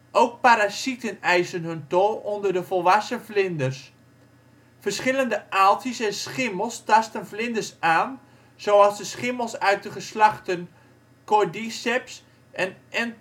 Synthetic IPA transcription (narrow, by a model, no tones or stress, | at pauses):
ʔowk̚paɾasitənɛjsənɦɵntolˠɔndərdəvɔlˠʋasəflɪndərs | fərsχɪləndəʔalˠtisɛnsχɪməlˠstɑstənflɪndərsaːn | z̥owɑsdəsχɪməlˠsœɥt̚dəχəslɑχtən | kodisɛps | ʔɛnɛn